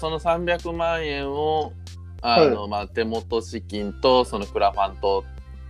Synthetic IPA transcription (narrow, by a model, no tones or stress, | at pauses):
so̞no̞sãmbʲjakɯ̟mãɰ̃ẽɰ̃o | ano̞maːt̪e̞mo̞t̪o̞ɕikʲĩnt̪oso̞no̞kɯ̟ɾaɸãnt̪o̞